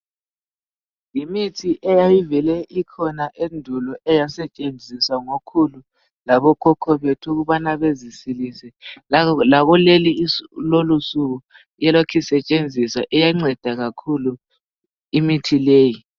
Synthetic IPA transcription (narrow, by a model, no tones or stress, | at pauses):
jimitʰiʔɛjajivɛlɛʔikʰɔnaʔendʱulɔʔɛjasɛt͡ʃʼend͡zʱiswaŋokʰulu | laβɔkʰɔkʰɔβetʰuɣuβanaβezisilisɛ | laɣɔlelilolusuɣu | jɛlokʰisɛt͡ʃʼend͡zʱisaʔɛjaŋ͡ǀɛd̥ʱaɣakʰulu | imitʰileːji